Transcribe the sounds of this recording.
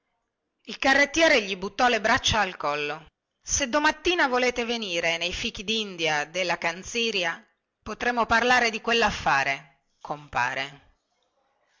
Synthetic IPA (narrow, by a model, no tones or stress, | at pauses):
ilkarːet̪ːjɛːɾeʎibut̪ːɔlːebɾat͡ʃːaːlkɔlːo | sed̪ːomat̪ːiːnavoleːt̪eveniːɾenejfiːk̟id̪ind̪jad̪elːakant̪siːɾja | pot̪ɾemːoparlaːɾed̪ikwelːafːaːɾe | kʰompa̰ːɾe